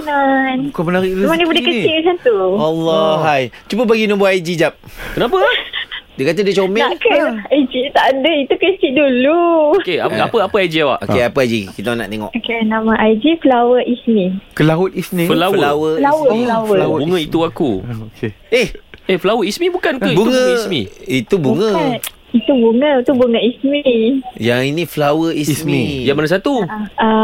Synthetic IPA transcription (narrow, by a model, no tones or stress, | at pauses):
nanukabənaɾiɾmanəbədəkəsisat̪ualːɔɦajt͡ʃubəbaɡinumboajd͡ʒid͡ʒap̚kənapə | dəkat̪̬adət͡ʃomɛnakəajd͡ʒit̪aʔadəit̪ukiskiʔdulukeaapəapəajd͡ʒiawa̰ʔo̰keapəajd͡ʒikit̪ana̰ʔt̪eŋɔ̰ʔokenamãʔajd͡ʒifəlawəʔismĩkəlaʊt̪ismifəlawəlawəlawəflawəwbuŋə̃it̪uakukehehflawəismibukankəibuŋə̃smiit̪ubuŋə̃ | it̪ubuŋət̪ubuŋəismijaŋinĩflawəissmijabanãs̬at̪ua